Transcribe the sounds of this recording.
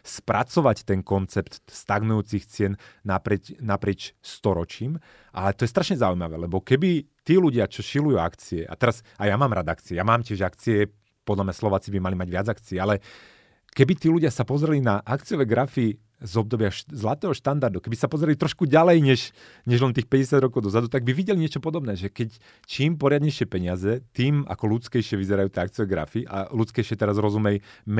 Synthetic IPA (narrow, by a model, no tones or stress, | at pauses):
spɾa̰t͡sɔʋact̪ɛnkɔnt͡sɛpt̪st̪aɡnujuːt͡sixt͡sɪɛnːapɾɪɛc̪ːapɾɪɛt͡ʃst̪ɔɾɔt͡ʃiːm | ʔa̰lɛt̪ɔjɛst̪ɾaʃɲɛzaujmaʋɛ̰ːlɛbɔkɛbit̪iːluɟɪat͡ʃɔʃilujuakt͡siɛʔa̰t̪ɛɾazajamaːmɾad̪ak̚t͡siɛjamaːmcɪɛʒakt͡siɛ | pɔd̪lamɲaslɔʋaːt͡sibimalimaɟʋɪad͡zakt͡siɛalɛ | kɛbit̪iːluɟɪasapɔzɾɛlinaʔakt͡siɔʋɛɡɾafi | zɔb̚d̪ɔbɪazlat̪ɛːɦɔʃt̪and̪aɾd̪ukɛbisapɔzɾɛlit̪ɾɔʃkuɟalɛjɲɛʃ | ɲɛʒlɛnt̪̬iːxpɛɟɛsjad̪ɾɔkɔʊd̪ɔzad̪ut̪aɡ̚biʋiɟɛliɲɪɛt͡ʃɔpɔd̪ɔbnɛːʒɛkɛc | t͡ʃiːmpɔɾɪad̪ɲɛjʃɪɛpɛɲɪazɛt̪iːma̰kɔlut͡skɛjʃɪɛʋizɛɾajuːt̪ɛak̚t͡siɔʋɛɡɾa̰fiʔa̰lut͡skɛjʃɪɛt̪ɛɾazɾɔzumɛjm